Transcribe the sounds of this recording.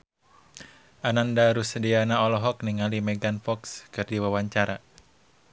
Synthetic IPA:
ʔanandaɾusədianaɔlɔɦɔk̚niŋalimɛɡanfɔkskɨrdiwawaɲt͡ʃaɾa

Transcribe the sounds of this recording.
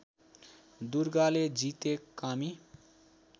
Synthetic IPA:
d̪uɾɡaled͡zit̪ekːami

